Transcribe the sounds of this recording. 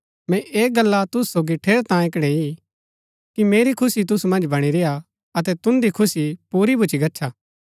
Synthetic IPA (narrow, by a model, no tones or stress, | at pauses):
mɛ̃ʔeːɡɐlːat̪ʊssoːɡiʈʰeːɽt̪ãːɪkɽ̃ei | kimeːɾikʰʊsit̪ʊsumɐ̃nd͡ʒbɐɽ̃iɾeja | ɐt̪̬ɛt̪ʊnd̪ikʰʊsipuːɾibʱʊt͡ʃiɡɐtːʃʰaː